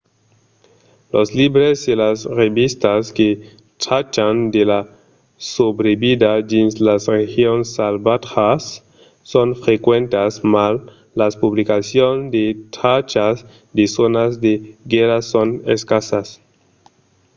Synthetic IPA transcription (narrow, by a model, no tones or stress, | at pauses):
loslibɾezdelasreβist̪aske | t̪ɾat͡ʃand̪ela | sobɾebid̪adinslasrexjonsalbat̪xasː | onfɾekwent̪asmalː | aspuβlikasjonzd̪et̪ɾat͡ʃas | d̪esonazd̪eɡeɾasonḛskasas